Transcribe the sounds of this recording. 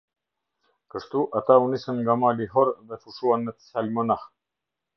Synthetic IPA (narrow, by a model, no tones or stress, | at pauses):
kəʃt̪uʔat̪aunisənŋɡamaliɦɔɾðɛfuʃuanːət̪ə̥salmɔnah